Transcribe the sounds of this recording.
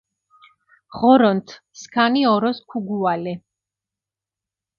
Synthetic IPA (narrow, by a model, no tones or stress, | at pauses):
ʁɔɾɔnt̪ʰ | skʰaniɔɾɔskʰuɡualɛ